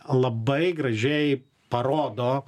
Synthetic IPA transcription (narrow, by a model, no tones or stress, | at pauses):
lˠɐbɐɪɡɾɐʒʲɛɪ | pɐɾoːd̪oː